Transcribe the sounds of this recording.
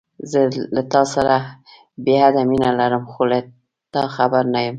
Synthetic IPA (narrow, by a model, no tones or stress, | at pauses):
zəlat̪ɑsaɾa | beɦad̪aminalaɾəmxola | t̪ɑxabaɾnajəm